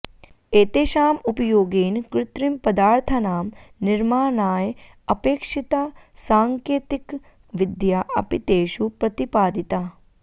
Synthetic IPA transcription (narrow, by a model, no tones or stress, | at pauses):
eːt̪eʃaːmupjoːɡeːnkɾɪt̪ɾimpɐd̪aːɾt̪ʰɐnaːmnɪɾmaːnaːj | ɐpeːkʃit̪aː | saːŋkeːt̪ik | ʋɪd̪jaʔɐpit̪eːʃupɾɐt̪ipaːd̪it̪aː